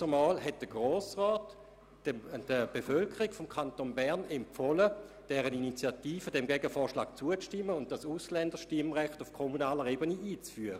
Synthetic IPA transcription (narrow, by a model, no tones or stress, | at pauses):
əmɑːlɦɛt̚d̥əɡʁoːsʁɔːt | d̥əb̥efœlkʰəʁiɡfɔmkʰantonbɛɐnɛmfɔlə | d̥ɛːʁəninit͡sjatiːfədɛmɡɛɡəfɔːɐʃla̰ːk̚t͡suət͡stɪmːəʊnt̚d̥asuslɛndəʃtɪmʁɛχtufkʰomunaːləʁeːbəniʔiːt͡sfyːəʁə